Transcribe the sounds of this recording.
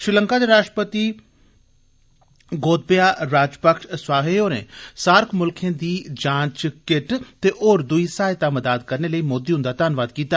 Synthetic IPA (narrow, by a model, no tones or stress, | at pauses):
ʃɾɪləŋkaːd̪eːɾaːʃʈəpət̪iː | ɡoːt̪̚bejaːɾaːd͡ʒpəkʃswaːɦeːoːɾḛ̃ːsaːɾkʰmʊlkʰẽːd̪iːd͡ʒãːt͡ʃkɪʈt̪eːʔoːɾd̪ʊiːsaːɪt̪aːməd̪aːd̪kəɾneːləiːmoːd̪iɦʊ̃nd̪aːt̪aːnʋaːd̪kiːt̪aː